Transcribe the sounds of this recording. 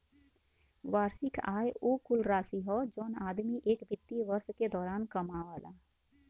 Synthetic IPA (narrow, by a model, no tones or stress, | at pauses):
ʋaːɾsɪkaːjoːkʊlɾaːsiɦɔd͡ʒoːnaːd̪miʔeːkbɪt̪ːiʋəɾsked̪ɔːɾaːnkəmaaːlaː